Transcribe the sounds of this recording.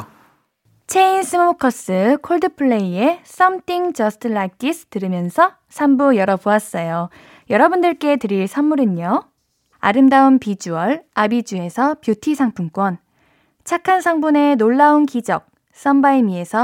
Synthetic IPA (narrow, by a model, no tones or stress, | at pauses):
t͡ɕʰeinsʰɯmokʰʌs͈ɯkʰoɭdɯpʰɯɭːe̞ie̞s͈ʌmtʰiŋd͡ʑʌsʰtʰɯɭak͈isʰtɯɾɯmjʌnsʰʌ | sʰambujʌɾʌboas͈ʌjo | jʌɾʌbundɯɭk͈e̞tɯɾiɭsʰamːuɾiɲo | a̰ɾɯmdaunpid͡ʑuʌɭabid͡ʑue̞sʰʌpjotʰisʰaŋpʰunk͈wʌn | t͡ɕʰakʰansʰaŋbune̞noɭːaunkid͡ʑʌk̚ | s͈ʌmbaimie̞sʰʌ